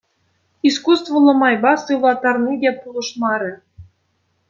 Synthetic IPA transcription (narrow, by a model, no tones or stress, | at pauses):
iskust̪vɤ̆lˠɤ̆mɑjbɑsɯlɑt̪ɑrnʲid̪ʲepulˠɤ̆ʃmɑɾʲɘ̆